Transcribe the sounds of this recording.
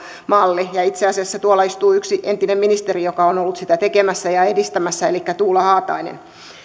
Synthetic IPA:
mɑlːijɑit̪seɑsiɑsːæt̪uolːɑist̪uːyksiʔent̪inemminist̪erijokɑonolːut̪sit̪æt̪ekemæsːæjɑedist̪æmæsːæelikːæt̪uːlːɑhɑːt̪ɑ̰inḛn

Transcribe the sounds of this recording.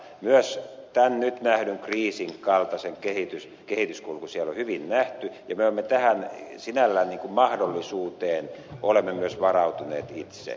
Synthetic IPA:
myøst̪ænnyt̪næhnyŋkriːsiŋkɑlt̪ɑseŋkehit̪ys | kehit̪yskulukusielːohyʋinnæht̪yjɑmeolemːet̪æhænsinælːæːnniːŋkummɑhdolːisuːt̪eːnolemːemyøsʋɑrɑut̪unḛːt̪it̪sḛ

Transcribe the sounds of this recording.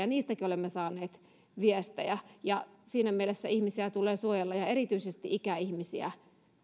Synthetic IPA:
ɑniːst̪ækiolemːesɑːneːt̪ | ʋiest̪æ̰jæjɑsiːnæmielesːæihmisiæt̪ulˑeːsuojelːɑjɑerit̪yisest̪iʔikæihmisiæ̰

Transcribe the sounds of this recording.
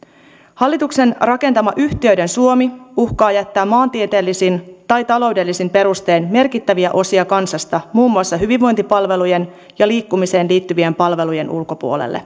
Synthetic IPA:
hɑlːit̪ukse̞nrɑke̞nt̪ɑmɑʔyht̪iø̞ɥde̞nsuo̞miuhkɑːjæt̪ːæːmːɑːnt̪ie̞t̪e̞ːlːisint̪ɑjt̪ɑlo̞wde̞lːisimpe̞ɾust̪e̞ːnme̞rkit̪ːæʋiæʔo̞siɑkɑnsɑst̪ɑmuːmːuɑsːɑɦyʋiʋʋo̞jnt̪ipɑlʋe̞luje̞n | jɑliːkːumise̞ːnliːt̪ːyʋiempɑlʋe̞luje̞nʔulkopṵo̞lḛlːʔḛ

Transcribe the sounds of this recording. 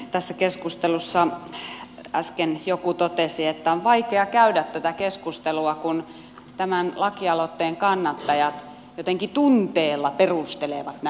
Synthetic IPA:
t̪æsːækeskust̪elusːɑ | ʔɑskenjokut̪ot̪esiet̪ːæoʋʋɑikeɑkæydæt̪t̪ːæt̪ækeskust̪eluɑkun | t̪æmænlɑkiɑlot̪ːeːŋkɑnːɑt̪ːɑjɑt̪ | jot̪eŋkit̪unt̪eːlːɑperust̪eleʋɑt̪næ

